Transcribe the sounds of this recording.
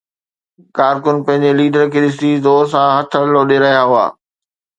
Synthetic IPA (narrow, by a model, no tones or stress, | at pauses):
kaːɾkʊnpɐ̃ɦɪ̃ɲ̆d͡ʑeliːɖəɾkʰeːɗɪs̬izoːɾsãɦɐt̪ʰə̆loːɗeɾɐɦijaɦʊa̰ː